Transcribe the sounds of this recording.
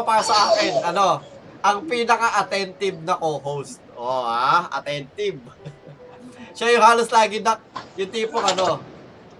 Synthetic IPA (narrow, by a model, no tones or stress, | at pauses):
paːɾɐsɐʔaːkɪnʔɐno̞ | ʔɐŋpinɐkaʔɐt̪ɛnt̪ɪb̚nɐkoːɦowst̪̚ʔoaʔɐ̰t̪ɛnt̪ɪb̚ | ʃajʊŋhaːloslaːɡɪnɐk̚jʊŋt̪iːpoŋɐno̞